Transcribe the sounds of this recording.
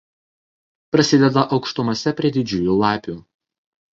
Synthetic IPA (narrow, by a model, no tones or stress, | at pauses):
pɾɐsʲɪd̪ʲɛd̪ɐʔɒʊkʃt̪ʊmɐsʲɛpʲɾʲiɛd̪ʲɪd͡ʒʲʊːjuːlˠɑːpʲuː